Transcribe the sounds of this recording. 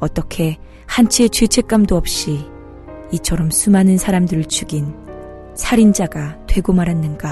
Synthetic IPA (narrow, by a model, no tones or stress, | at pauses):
ʌt͈ʌkʰe̞ | hant͡ɕʰet͡ɕɯt͡ɕʰe̞k͈amdoʌp̚ɕ͈i | it͡ɕʰʌɾʌmsʰumanɯnsʰaɾamdɯɾɯɭt͡ɕʰuɡin | sʰaɾind͡ʑaɡatwe̞ɡomaɾɦanːɯnɡa